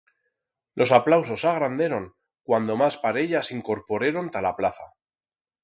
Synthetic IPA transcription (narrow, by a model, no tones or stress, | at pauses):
lʔo̞saplaws̬o̞saɣ̞ɾand̪e̞ɾo̞ŋ | kwand̪o̞maspaɾe̞ʎasiŋko̞ɾpo̞ɾeɾo̞nt̪alaplaθa̰